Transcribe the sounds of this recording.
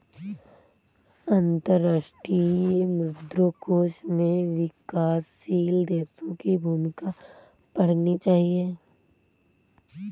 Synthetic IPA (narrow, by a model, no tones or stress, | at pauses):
ə̃nt̪əɾːaʃʈɾiemɾɪd̪ɾokoːʃmẽʋɪkaːsːiːld̪eːsõkibʱuːmɪka | pɐɽ̤nit͡ʃaːɦie